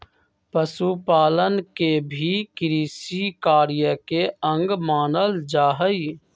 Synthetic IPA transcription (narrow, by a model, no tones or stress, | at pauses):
pəsupaːlənkebʱikɪɾiːsikaːɾjəkeə̃ŋɡmaːnəld͡ʒaːɦəi